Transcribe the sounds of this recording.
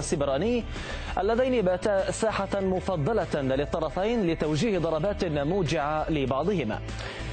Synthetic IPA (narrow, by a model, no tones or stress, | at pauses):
asːɪbɾɑːnɪː | ʔalːaðajnibaːt̪asaːħamʊfɑd̪ˤːɑlalɪt̪ˤːɑɾˤɑfajnlɪt̪awd͡ʒiːhd̪ˤɑɾˤɑbaːt̪namuːd͡ʒɪʕalɪbɑʕd̪ˤɨhɪma̰ː